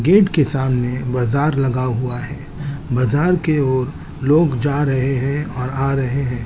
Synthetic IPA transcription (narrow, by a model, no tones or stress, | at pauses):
ɡeːʈkesaːmnebaːzaːɾlɐɡaɦuaɦɛː | baːzaːɾkeoːɾ | loːɡd͡ʒaːɾɐɦeɦɛ̃ɔːɾaːɾɐɦeɦɛ̃ː